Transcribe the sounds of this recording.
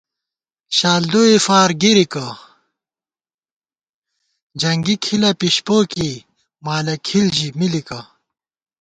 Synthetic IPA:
ɕaːld̪oːefaːɾɡiɾika | d͡ʑɐŋɡikʰilɐpiɕpoːki | maːlɐkʰilʑimilikɐ

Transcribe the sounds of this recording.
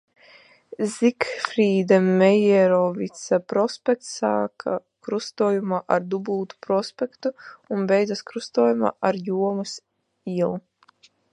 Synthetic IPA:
zikfɾiːd̪amɛjɛɾɔvit̪sapɾɔspʲɛk̚t̪saːkʰa̰ | kɾust̪uɔjumaːʔaɾd̪ubuːt̪u̥pɾɔspʲɛkt̪uunbɛjd̪zaskɾust̪uɔːjuma̰ːʔaɾjuɔmus | iɛlˠ

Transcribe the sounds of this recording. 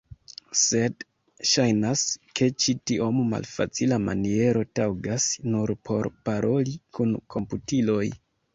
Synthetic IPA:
se̞d | ʃajnaske̞t͡ʃitiomma̰lfa̰t͡silama̰nie̞ɾo̞tawɡasnuɾpʰo̞̰ɾpaɾo̞likunkʰo̞mputilo̞j

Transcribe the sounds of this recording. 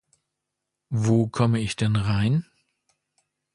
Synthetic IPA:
voːkʰɔməɪçd̥ɛnʁaɪn

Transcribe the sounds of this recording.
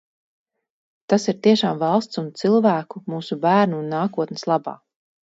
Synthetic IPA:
t̪asiɾt̪iɛʃaːmvɑlˠst̪sunt̪silˠvæːkumuːsubæːɾnuːnːaːkuɔt̪nɛ̥slˠɑba̰ː

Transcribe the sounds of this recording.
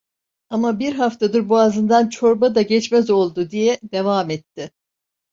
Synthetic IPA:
amabiɾɦaft̪ʰad̪ɯɾbuazɯnd̪ant͡ʃʰo̞ɾbad̪aɟɛt͡ʃmɛzo̞lˠd̪ʊd̪ijɛd̪e̞vaːmɛt̪ːɪ

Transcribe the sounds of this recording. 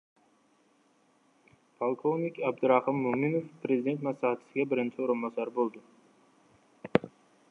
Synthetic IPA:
pʰalˠkʰovnikʲɑb̚d̪ʊɾɑhɨmːuminofpʰɾe̞zid̪ent̪mɑslˠɑhat̪ʰɪ̥sɪɡʲabɪɾɪnt͡ʃʰɪoɾʊnbɑsɑɾbolˠd̪ʊ

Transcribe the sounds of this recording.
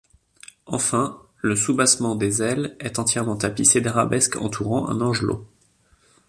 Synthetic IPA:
ɑ̰̃fɛ̃ | ləsubasmɑ̃d̪ezɛlɛt̪ɑ̃t̪jɛʁmɑ̃t̪apised̪aʁabɛskɑ̰̃t̪ʰuʁɑ̃ʔɛ̰̃nɑ̃ʒlo̰

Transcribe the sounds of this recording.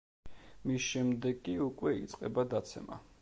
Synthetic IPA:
misʃɛmd̪ɛɡʼiukʼwɛit̪sʼqʼɛbad̪at̪sʰɛ̰ma̰

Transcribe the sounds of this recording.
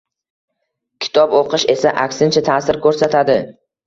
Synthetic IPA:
kʲʰɪ̥t̪ʰɒboqɨʃe̞saʔakʲsɪnt͡ʃʰat̪ʰaːsɪɾkʰɵɾsat̪ʰad̪ɪ

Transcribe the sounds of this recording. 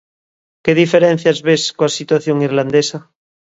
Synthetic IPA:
keðifeɾẽn̟θjazβeskoasit̪waθjoŋiɾland̪esa

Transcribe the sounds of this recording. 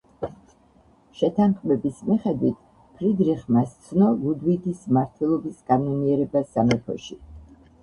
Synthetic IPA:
ʃɛt̪ʰanχmɛbismiχɛd̪wit̪ʰ | pʰɾid̪ɾiχmast̪sʰnɔlˠud̪wid̪ismaɾt̪ʰɛlˠɔbiskʼanɔniɛɾɛbasamɛpʰɔ̰ʃi

